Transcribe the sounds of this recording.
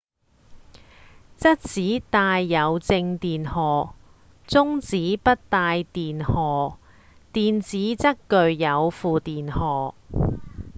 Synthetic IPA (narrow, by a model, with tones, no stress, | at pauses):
t͡sɐ˥t̚t͡siː˨˥t̪aː˧jːɐ˨˧wt͡sɪ˧ŋt̪iː˨nhɔː˨˩ | t͡sʊ˥ŋt͡siː˨˥pɐ˥t̚t̪aː˧jt̪iː˨nhɔː˨˩ | t̪iː˨nt͡siː˨˥t͡sɐ˥kkɵ˨˧ɥjɐ˨˧wfuː˨t̪iː˨nhɔː˨˩